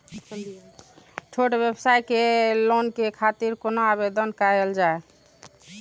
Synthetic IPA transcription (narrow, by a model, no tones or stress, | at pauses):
t͡ʃʰoʈbjebsajkelonkekʰat̪iɾkonoabed̪ənkaeld͡ʒae